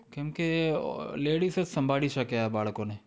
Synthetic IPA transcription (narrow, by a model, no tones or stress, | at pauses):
kẽmke | leːɽisesɐ̃mbʱaːɽisɐkeabaːɭkõne